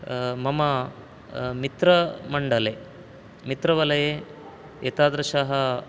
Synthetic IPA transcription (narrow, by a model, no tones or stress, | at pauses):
mɐmɐ | mit̪ɾɐmɐɳɖɐle | mit̪ɾɐʋɐlɐje | et̪aːd̪ɾɐʃaɦɐ